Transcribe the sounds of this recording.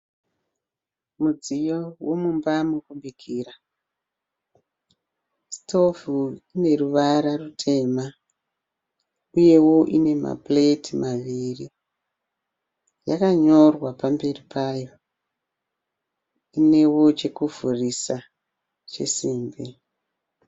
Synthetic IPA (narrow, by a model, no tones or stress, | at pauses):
mud͡zijowo̞mumbamukuɓikʰiːra | stʰo̞vuine̞ruʋaɾarutʰe̞ma | uje̞wo̞ʔine̞ma̰pletimaʋiri | jakaɲo̞rwapambe̞ripʰaːjo̞ | ine̞wo̞t͡ʃe̞kuvʱurisa | t͡ʃḛsiːmbi